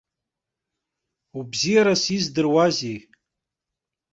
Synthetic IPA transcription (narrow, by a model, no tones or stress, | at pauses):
ubzijaɾasizdɨrwazi